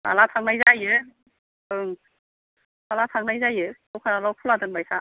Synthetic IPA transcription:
ba̰latʰaŋnajzajɯ | ɯŋ | malatʰaŋnajzajɯawkʰanalawpʰuladɯnbajsa

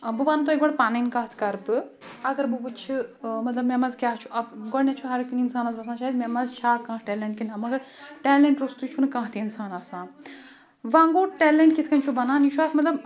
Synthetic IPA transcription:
bubaːnt̪oekbɐɽpaːnɐnkaɦt̪ʰkɐɾbɨ | ɐɡɐɾbubɨt͡ʃʰimɐt̪lɐbmemɐzkʲaːɦt͡ʃʰuʔɐbɡɔɽnet͡ʃʰuɦɐɾikninsaːnɐzbɐsnat͡ʃaːɦid̪memɐzt͡ʃʰaːɾkãːʈɛːleɳʈ̚kinɦɐmɐɡɐɾʈɛːleɳʈɾust̪ut͡ʃʰunkãɦt̪ʰiinsaːnɐsãː | ʋãːŋɡoːʈɛːleɳʈ̚kit̪ʰkɐnt͡ʃʰubɐnaːnit͡ʃʰuaːt̪ʰmɐt̪lɐb

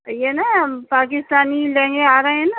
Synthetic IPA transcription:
jenapaːkɪst̪aːnilẽːŋɡeaːɾɐɦẽẽna

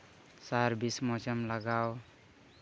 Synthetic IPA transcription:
saɾbismɔt͡ʃʌmlaɡaw

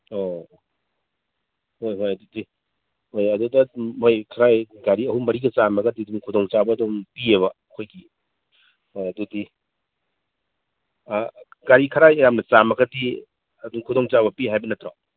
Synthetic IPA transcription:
o | jɦojdudi | hojɐdudɐhojkʰɐɾajɡaɾiɐhumɐɾiɡɐt͡ʃamɐɡɐdiduŋkʰudoŋt͡ʃabɐɐdompieβɐ | kʰojɡi | oɐdudi | ɡaɾikʰɐɾajejamnɐt͡ʃamɐɡɐdi | ɐduŋkʰudoŋt͡ʃaβɐpiɦajbɐnɐtɾaw

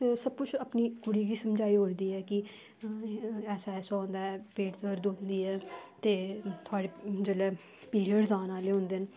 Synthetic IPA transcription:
səb̚kʊt͡ʃʰaːpniːkʊɽiːɡiːsəmd͡ʒaːiːɦoːɾd̪iːɛːkɪ | ɛːsaːɛːsõːnd̪aːɛːpẽːʈtəɾd̪oːnd̪iːɛːt̪eːt̪ʰʊaːɽeːd͡ʒəlɛː | piːɾijəɖzaːnaːleːɦõːnd̪en

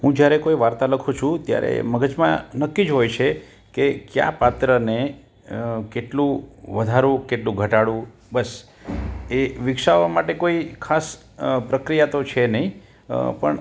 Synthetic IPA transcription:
ɦũd͡ʒjaɾekoiʋaɾt̪aləkʰũt͡ʃʰũt̪ja̰ɾḛməɡəd͡ʒmã̰nəkːid͡ʒɦojt͡ʃʰe | kekja̰pat̪ɾəne | keʈlũʋəd̪ʱaɾũkeʈlũɡʱəʈaɽũ | bəs | eʋɪkʃaʋamaʈekoikʰas | pɾəkɾijat̪ot͡ʃʰenəɦĩ | pə̰ɳ

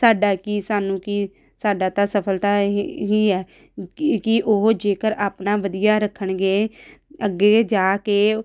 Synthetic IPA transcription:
saːɖaːkiːsaːnũːki | saːɖaːt̪aːsəpʰəlt̪aːɦiːɛː | kɪʔoɦd͡ʒeːkəɾaːpnaːʋəd̪ijaːɾəkʰːəɳɡeːəɡːeːd͡ʒaːkeː

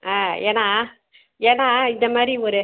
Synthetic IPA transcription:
aːeːnaː | eːnaːɪnd̪ɐmaːdɾiɔɾɯ

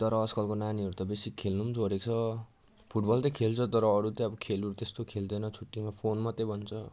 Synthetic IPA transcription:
t̪ʌɾʌːskʌlkonaniʌɾut̪ʌbesikkʰelnumt͡sʰoɾek̚t͡sʰʌ | pʰuʈ̚bʌlt̪ʌkʰelt͡sʰʌt̪ʌɾʌːɾut̪ʌʌbʌkʰeluɾut̪est̪okʰeld̪ʌnʌt͡sʰuʈːimapʰonmʌt̪ʌbʱʌnt͡sʰʌ

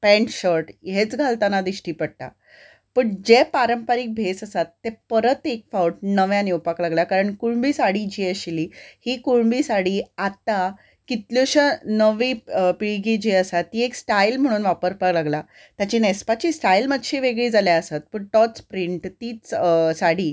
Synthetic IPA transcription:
pɛ̃ɳʈɕɔɾʈjet͡sɡʱalt̪anad̪iɕʈiːpəɽt̪a̰ | pəɳd͡ʑepaɾəmpaɾiːk̚bʱesəsat̪ːepəɾət̪ek̚fauʈ̚nəʋjaniwpaklaɡljakaɾəɳkuɭbiːsaɽiːd͡ʑieɕiliːhiːkuɭbiːsaɽiːat̪a | kit̪ljoɕənəʋiːpiɭɡid͡ʑiəsat̪ːiːeksʈailm̤əɽ̃uːnʋapəɾpaklaɡla | t̪jat͡ɕiːnespat͡ɕiːsʈailmət̪ɕiʋeɡɭiːd͡zaljaəsat̪̚pəɳʈɔt̪spɾiɳʈt̪iːt͡ssaɽ̤iː

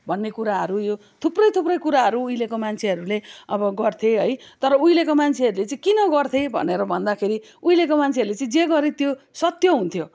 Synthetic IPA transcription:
bʱʌnːekuɾaɦʌɾujo | t̪ʰuprʌjt̪ʰuprʌjkuɾaɦʌɾuːjlekomant͡sʰeʌɾuleʌbʌɡʌrt̪ʰjeɦʌjt̪ʌɾʌujlekomant͡sʰeʌɾulet͡saĩkinʌɡʌrt̪ʰebʱʌ̰neɾʌbʱʌnd̪akʰeɾi | ujlekomant͡sʰeʌɾulet͡sʌĩd͡zeɡʌɾet̪josʌt̪jʌɦunt̪ʰjo

